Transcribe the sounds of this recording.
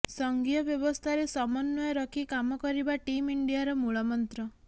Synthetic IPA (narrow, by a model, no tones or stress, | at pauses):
sɔŋɡijɔbjɔbɔst̪ʰaɾesɔmɔnːɔjɔɾɔkʰikamɔkɔɾibaʈimiɳɖijaɾɔmuɭɔmɔnt̪ɾɔ